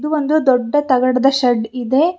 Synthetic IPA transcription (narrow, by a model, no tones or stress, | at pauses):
d̪uʋond̪ud̪ɔɖːɐt̪ɐɡɐɽɐd̪ɐʃɐɖid̪e̞